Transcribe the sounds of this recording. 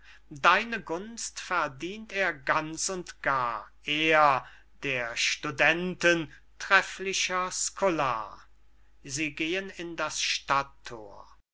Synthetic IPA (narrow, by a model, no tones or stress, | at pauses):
daɪnəɡʊnstfɛɐdiːnteːɐɡant͡ssʊntɡ̥aːʔeːɐ | d̥eːɐʃtudɛntən | tʁ̥ɛflɪʃɐskʰola̰ː | ziːɡeːənɪndasʃtatʰːo̰ːɐ